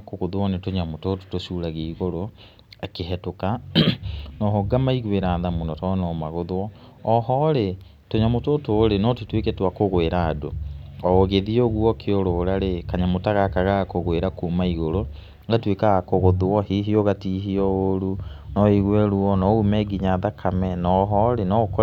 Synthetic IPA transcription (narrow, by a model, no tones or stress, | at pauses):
koɣoðwɔnetoɲamototo̥toʃuːɾaɣeiɣoɾo | akeɦɛtoka | nɔɦoɡamaiɣweɾaːðamunɔtɔnɔmaɣoðwɔ | ɔɦɔɾe | toɲamototoːɾenɔtetwekɛtwakoɣoeɾaːdoɔɣeðioɣwɔkʰeoɾoːɾaɾekaɲamotaɣakaɣakoɣweɾakumaiɣoɾo | ŋɡatwekaɣakoɣoðwɔhiɦiɔɣatiɦiɔoɾunɔiɣwɛɾuɔnɔumɛɡiɲaðakʰamɛnɔɦɔɾenɔk